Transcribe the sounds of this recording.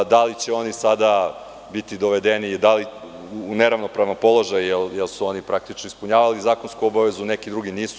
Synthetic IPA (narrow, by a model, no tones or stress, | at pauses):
d̪alit͡ɕeo̞nisad̪a | bit̪id̪oʋed̪enid̪aliː | neɾaʋnopɾaʋnompolˠo̞ʒajjeljelsuo̞nipɾʔak̚t̪it͡ʃnoispuɲaːʋalizaːko̞nskuobaʋe̞zune̞kid̪ɾuɡiniːsu̥